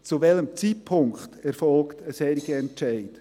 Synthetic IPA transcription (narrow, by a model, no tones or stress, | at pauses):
t͡suvɛləmt͡sipʰʊŋkχtɛɾfɔlktəsɛɾiɡəɛnt͡ʃɛɪt